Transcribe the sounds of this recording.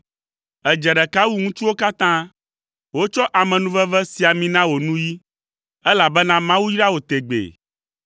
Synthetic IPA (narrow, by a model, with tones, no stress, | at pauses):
ɛ˨d͡ʒɛ˨ɖɛ˨ka˦wu˦ŋũ˦t͡ʃu˦wo˦ka˦t̪ã˦ | wo˦t͡ʃɔ˦ʔa˨mɛ̃˨nũ˦vɛ˦vɛ˦si˨a˨mĩ˨nã˦wo˨nũ˦ji˦ | ɛ˦la˨bɛ˦nã˦mã˦wu˦ji˦ɖa˦wo˨t̪e˨ɡ͡bḛ˨